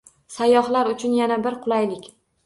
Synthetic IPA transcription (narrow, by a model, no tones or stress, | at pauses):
sajːɒɦlaɾʊt͡ʃʰʊnjanabɪɾqʰʊlˠajlɪkʲ